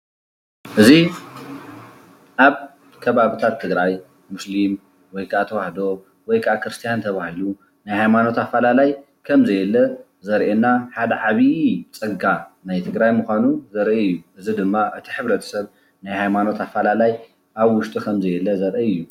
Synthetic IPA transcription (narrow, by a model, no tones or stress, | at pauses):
ʔɨzi | ʔaβ | kʰɐβaβit̪ʰat̪ʰːɨɡɾaj | mʊslim | wɔjkʰaʔat̪ʰɐwaħd̪o̞ | wɔjkʰaakʰɾɨst̪ʰijant̪ʰɐβahilu | najhajmano̞t̪afːalalaj | kʰɐmzɐjɛlːɐ | zɐɾʔenːaħad̪ɐʕaβit͡sʼɨɡanajt̪ʰɨɡɾajmuxʷanuzɐɾʔiɨjːuʔɨzid̪ɨmːaʔɨt̪ʰi̥ħɨβɾɐt̪ʰɐ̥sɐβ | najhajmano̞t̪afːalalaj | ʔaβwʊʃt̪ʼikʰɐmzɐjɛlːɐzɐɾʔiɨjːu